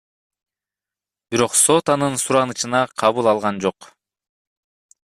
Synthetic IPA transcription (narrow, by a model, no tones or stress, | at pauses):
b̥iɾo̞qso̞t̪ɑnɯnsuɾɑnɯt͡ʃɯnɑqʰɑβulˠɑlˠʁɑnd͡ʒo̞q